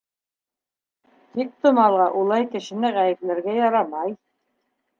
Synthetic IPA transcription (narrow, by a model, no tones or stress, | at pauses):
t̪ik̚t̪ŏmɑlˠʁɑʔulˠɑjkɘ̆ʃɘ̆nɘʁæjɘ̆plɘ̆ɾɡæjɑɾɑmɑj